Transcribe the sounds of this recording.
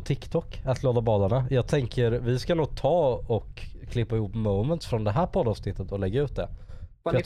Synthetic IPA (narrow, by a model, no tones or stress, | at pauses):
t̪ʰɪkt̪ʰɔkːat̪loːd̪abɑːd̪aɳajɑːɡ̚t̪ʰɛŋkʰəɾvɪskanuːɡ̚t̪ʰɑːɔkʰː | lɪpːaɪhuːpːmuːmənt̪sfɾɔnd̪ɛɦæːɾpʰɔd̪ɑːvsnɪt̪ːət̪ɔlɛɡːaʉ̟ːt̪̚d̪ɛfj